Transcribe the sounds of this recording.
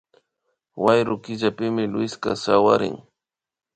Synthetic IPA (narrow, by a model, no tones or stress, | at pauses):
wajɾʊkɪʎapɪmɪlwɪska̰sawa̰ɾɪ̰ŋ